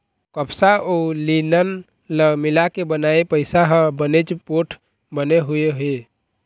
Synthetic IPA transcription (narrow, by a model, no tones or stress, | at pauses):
kəpsaʔolinən | ləɡmilakebənaepəɪsaɦəbənet͡ʃpoʈʰ | bəneɦueɦe